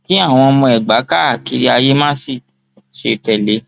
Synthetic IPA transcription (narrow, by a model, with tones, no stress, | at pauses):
kĩ˦a˦˨w̃ɔ̃˧mɔ̃˧ɛ˨ɡ͡ba˨˦ka˦˨ki˨˦ɾi˦a˧je˦mã˦si˦˨ | ʃe˧tɛ˨le˨˦